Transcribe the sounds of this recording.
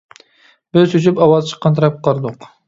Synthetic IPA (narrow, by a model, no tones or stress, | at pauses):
bɪzsyt͡ʃʰypɑwɑzt͡ʃʰə̥qːɑnt̪ʰɑɾɑp̚qʰːɑɾd̪ʊq